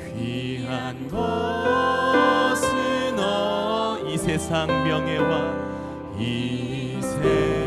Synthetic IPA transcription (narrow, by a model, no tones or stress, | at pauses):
ɸiɦanɡʌ | sʰinʌ | isʰesʰaŋmjʌŋe̞wa | i | sʰe